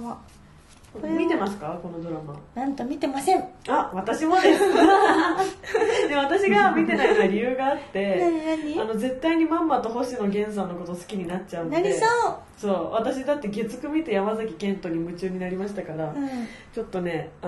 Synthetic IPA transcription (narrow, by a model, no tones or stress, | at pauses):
a | mʲit̪e̞masɨ̥kako̞no̞d̪o̞ɾama̰nãnt̪omʲit̪e̞masẽɴaβat̪aɕimo̞d̪es | d̪e̞β̞at̪aɕiɡamʲit̪e̞nait̪ːaɾʲijɯ̟ːɡaːt̪ːe̞naɲaɲiano̞ze̞t̪ːaiɲ̟imãmːat̪o̞ɦo̞ɕino̞ɡẽ̞ɰ̃sãnːo̞ko̞t̪osɨ̥kʲiɲ̟inat͡ɕaɯ̃nnaieo | so̞ːβat̪aɕid̪at̪ːe̞ɡe̞t͡sɨ̥kɯ̟mʲit̪e̞jamazakʲikẽ̞nt̪o̞ɲ̟imɯ̟t͡ɕɨːɲ̟inaɾʲimaɕi̥t̪akaɾã | t͡ɕo̞t̪ːo̞ne̞a